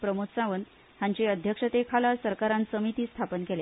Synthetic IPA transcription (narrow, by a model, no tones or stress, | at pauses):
pɾəmuksãʋən | ãɲt͡ɕeəd̪ʱjəkʂət̪ekʰalasəɾkaɾãnsəmit̪iːst̪ʰapənkele